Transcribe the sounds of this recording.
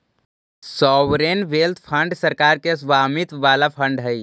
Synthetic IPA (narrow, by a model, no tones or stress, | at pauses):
sɔwɾenʋelt̪ʰpʰə̃ɳɖsəɾkaːɾkesʋaːmit̪ʋalapʰə̃ɳɖɦəj